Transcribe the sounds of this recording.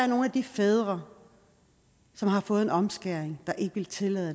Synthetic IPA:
æɐno̝ːnæd̥ifeð̞ˠʁɐ | sɒ̽mɦɑ̈fɔ̽ːð̩ˠe̝nɒ̽msɡ̥æɐ̰eŋd̥ɑ̈ʔe̝ɡ̥əʋe̝lt͡sʰe̝lɛð̩ˠ

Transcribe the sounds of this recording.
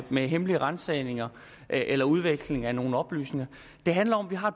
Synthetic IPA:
meɦemliəʁɑnsɛɪne̝ŋɐ | ʔʔelɐuð̞ˠʋeɡ̥sle̝ŋæno̝ːn̩ɒ̽b̥ly̰ːsne̝ŋɐ | d̥e̝ɦænlɐɒ̽mʋiɦɑ̈ed̚

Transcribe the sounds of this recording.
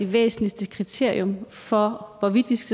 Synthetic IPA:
e̝ʋḛːsn̩lisd̥əkʰʁit͡sʰe̝ɐ̰iɔ̽m | fɒ̽ʋɒʋid̥ʋisɡ̥æ

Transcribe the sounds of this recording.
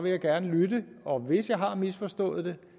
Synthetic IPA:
ʋe̝jɑ̈ɪɡ̥æɐnəlydəɒ̽ʋe̝sjɑ̈ɪɦɑ̈misfɒ̽sd̥ɔ̰̽ːð̩ˠd̥e̝

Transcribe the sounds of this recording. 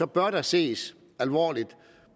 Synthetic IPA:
ɒ̽b̥ɶɐɾ̥ɑ̈se̝̰ːs | ælʋɒ̰ːlid̥

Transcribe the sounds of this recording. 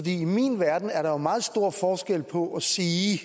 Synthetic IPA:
ɒ̽d̥ḭːimḭnʋæɐd̥n̩æɐɾɑ̈jomɑ̈ːð̞̩ˠsd̥o̝ɐ̰fɒːsɡ̥el̰pʰɒ̽ʔæsiː

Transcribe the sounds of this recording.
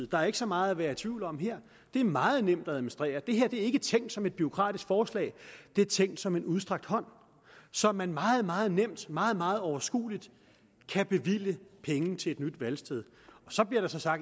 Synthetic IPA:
ð̩ˠd̥ɑ̈æɐe̝ɡ̥əsɒ̽mɑ̈ːð̩ˠæʋæːɐt͡sʰʋiːʊlɒ̽mɦeɐ̰ | d̥e̝æɐmɑ̈ːð̞̩ˠnem̰d̥æɛðmonsd̥ʁɛ̰ːɐd̥e̝ɦeɐ̰d̥e̝æɐe̝ɡ̥ət͡sʰeŋ̰d̥sɒ̽me̝d̥b̥yo̝kʰʁɑ̰̈ːd̥isɡ̥fɒːslɛ̰ːɪd̥e̝æɐt͡sʰeŋ̰d̥sɒ̽me̝nuð̞ˠsd̥ʁɑ̈ɡ̥̚d̥hɒ̽n̰ | sɒ̽mænmɑ̈ːð̞̩ˠmɑ̈ːð̞̩ˠnem̰d̥mɑ̈ːð̞̩ˠmɑ̈ːð̞̩ˠɒʊɐsɡ̥ṵːlid̥ | kʰæb̥e̝ʋil̰əpʰeŋən̩t͡sʰe̝ed̥nyd̥ʋælsd̥eð̞ˠ | ɒ̽sɒ̽b̥liɐɾ̥ɑ̈sɒ̽sɑ̈ɡ̥̚

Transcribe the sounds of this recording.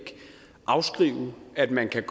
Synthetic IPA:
ɡ̥ | ʔɑ̈ʊsɡ̥ʁḭːʊæd̥mænkʰæɡ̥

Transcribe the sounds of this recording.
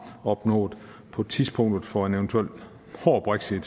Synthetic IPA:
ɒ̽b̥nɔ̰̽ːð̩ˠ | pʰɒ̽t͡sʰiðˠsb̥ʰɔ̽ŋ̰d̥ð̞̩ˠfɒ̽enent͡sʰuel̰ | ho̰ːb̥ʁeɡ̥sid̥

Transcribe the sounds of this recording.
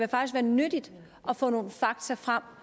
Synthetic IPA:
ʋefɑ̈ɡ̥isɡ̥ʋæːɐnød̥id̥ | ʔɒ̽fɔ̰ːno̝ːn̩fɑ̈ɡ̥t͡sʰɐfʁam̰

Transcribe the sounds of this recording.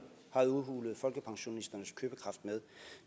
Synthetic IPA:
hɑ̈uðˠɦuːləð̞̩ˠfɒ̽lɡ̥əpʰɑ̈ŋɕo̝nisd̥ɐnəskʰøːb̥əkʰʁɑ̈fd̥̚með̞ˠ

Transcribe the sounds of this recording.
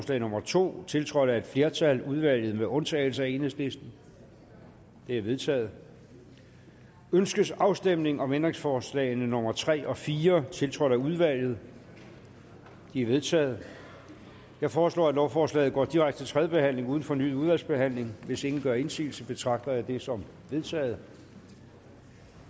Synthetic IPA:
slɛ̰ːɪnɔ̽mɐt͡sʰo̝̰ːt͡sʰe̝lt͡sʰʁɒ̽d̥æe̝d̥fle̝ɐt͡sʰæluð̞ˠʋæl̰jð̞̩ˠmeʔɔ̽nt͡sʰɛ̰ːl̩səæe̝nhe̝sle̝sd̥n̩ | d̥e̝æɐʋe̝ð̞ˠt͡sʰɛ̰ːð̞̩ˠ | ønsɡ̥əsɑ̈ʊsd̥em̰ne̝ŋɒ̽mend̥ʁe̝ŋsfɒːslɛ̰ːɪnənɔ̽mɐt͡sʰʁɛ̰ːʔɒ̽fiːɐt͡sʰe̝lt͡sʰʁɒɾ̥æuð̞ˠʋæl̰jð̞̩ˠ | d̥iæɐʋe̝ð̞ˠt͡sʰɛ̰ːð̞̩ˠ | jɑ̈ɪfɒːslɔ̰ːæ̥lɒʊfɒːslɛ̰ːð̩ˠɡ̥ɒ̰ːd̥iʁaɡ̥d̥ə̥e̝t͡sʰʁɛðjˠəb̥e̝hæn̰le̝ŋuːð̞ˠn̩fɒ̽ny̰ːðˠuðˠʋæl̰sb̥e̝ɦæn̰le̝ŋʋe̝se̝ŋn̩ɡ̥ɶɐe̝nsḭːl̩səb̥e̝t͡sʰʁɑ̈ɡ̥̚d̥ɐd̥e̝sɒ̽m | ʋe̝ðˠt͡sʰɛ̰ːð̞̩ˠ

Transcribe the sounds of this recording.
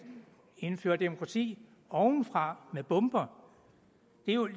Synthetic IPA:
e̝nfø̰ːɐd̥emo̝kʰʁɑ̈t͡sʰḭː | ɒʊn̩fʁɑ̈meb̥ɔ̽mb̥ɐ | d̥e̝jo

